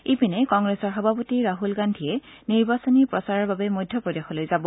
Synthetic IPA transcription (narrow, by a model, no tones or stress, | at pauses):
ipinɛkɔŋɡɹesɔɹxɔbʱapotiɹaɦulɡandʱiɛ | niɹbasɔnipɹɔsaɹaɹbabɛmojdʱjɔpɹɔdexɔlojzabɔ